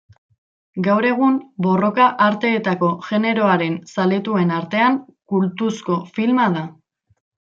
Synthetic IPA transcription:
ɡawɾe̞ɣ̞umbo̞ro̞kaʔaɾt̪e̞ːt̪ako̞ʝe̞ne̞ɾo̞aɾe̞nsale̞t̪ue̞naɾt̪e̞aŋkult̪usko̞filmað̞a

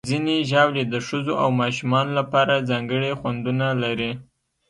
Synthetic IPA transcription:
zineʒɑwled̪əʂəzoʔawmɑʃumɑnolapɑɾazɑŋɡəɽexwand̪unalaɾi

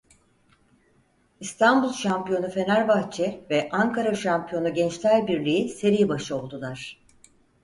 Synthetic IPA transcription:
ist̪ʰanbulˠʃampijo̞nufe̞næɾbat͡ʃʰɛvɛʔaŋkʰaɾaʃampʰijo̞nuɟɛnt͡ʃt̪ʰʲælʲbiɾlʲijise̞ɾijibaʃɯo̞lˠd̪ulˠaɾ̥

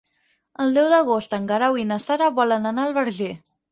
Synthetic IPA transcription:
əlˠd̪ɛwd̪əɣost̪əŋɡaɾawinəsaɾəβɔlənənaəlˠβəɾʒe

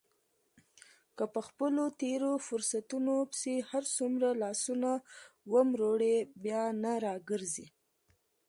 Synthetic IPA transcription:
kəpəxpəlot̪eɾofʊɾsat̪unopsehaɾsumɾalɑsunawəmɾoɽebjɑnaɾɑɡəɾzi

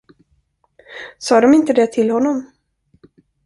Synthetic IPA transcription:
sɑːd̪ɔmɪnt̪əd̪ɛt̪ʰɪlhɔnːɔm

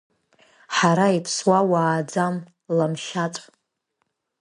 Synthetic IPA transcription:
ħaɾaipʰswawaːd͡zam | lamʃat͡sʷʼ

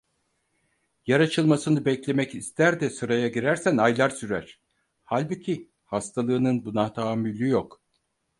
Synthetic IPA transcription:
jaɾat͡ʃʰɯlˠmasɯnɯbɛclʲe̞mɛcist̪ʰæɾd̪ɛsɯɾajaɟiɾæɾsænajlˠaɾsyɾæɾ̥ | halʲbucʰi | hast̪ʰalˠɯːnɯnbunat̪ʰaːmylʲyjok

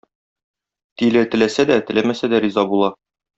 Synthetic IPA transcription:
t̪ilɘt̪ɘ̆læsæd̪æt̪ɘ̆læmæsæd̪æɾizɑbulˠɑ

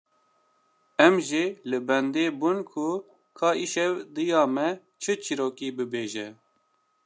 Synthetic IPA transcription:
ɛmʒilɨbɛnd̪eːbunkʰʊ | kʰɑːʔiʃɛwd̪ɨjɑːmɛ | t͡ʃʰɨt͡ʃʰiɾoːkiːbɨbeːʒɛ

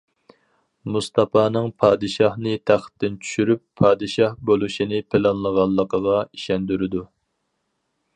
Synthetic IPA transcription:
must̪ɑpɑːnɨŋpʰɑːd̪ɨʃɑhnɨt̪ʰæχt̪ʰːɪnt͡ʃʰy̥ʃyɾypʰːɑːd̪ɨʃɑhbolˠuʃinɪpʰɪlɑnlˠəʁɑnˠːəqʰəʁɑiʃɛnd̪yɾɪd̪u

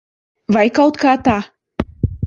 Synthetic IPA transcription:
vajkawt̪kaːt̪aː

